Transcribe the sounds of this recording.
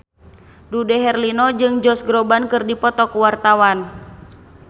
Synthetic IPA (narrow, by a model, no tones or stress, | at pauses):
dudɛɦɛrlinɔd͡ʒɨŋd͡ʒɔsɡɾɔbankɨrdipɔt̪ɔkuwart̪awan